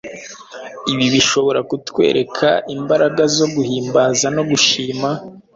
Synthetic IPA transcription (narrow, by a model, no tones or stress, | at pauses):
iβiβiʃo̞βo̞ɾakutwe̞̰ːɾe̞kʰaimbaɾaɡazo̞ɡuhiːmbaːzano̞ɡuʃiːma